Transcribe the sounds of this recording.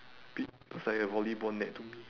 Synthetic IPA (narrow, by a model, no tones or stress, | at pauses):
pit̚pəsajəvɔlibɔ̃nːɛʔ̚tumi